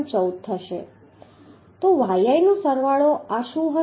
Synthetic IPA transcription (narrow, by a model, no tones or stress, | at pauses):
t͡ʃəwt̪ʰːəʃḛ | t̪oʋajajnosəɾʋaɭoaʃuɦə